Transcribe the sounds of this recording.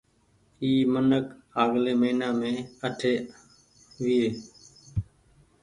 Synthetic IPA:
iːmənəkaːɡleːməiːnãːmẽːəʈʰeː | ʋɪeː

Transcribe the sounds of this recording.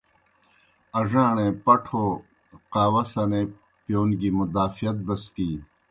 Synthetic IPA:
ɐʐãːɳẽpɐʈʰoː | qaːwɐsɐnẽ | pjoːnɡimud̪aːfijɐt̪̚bɐskiː

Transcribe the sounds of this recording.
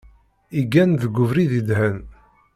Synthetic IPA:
iɡænðəɡʷʊvɾiðid̪hæn

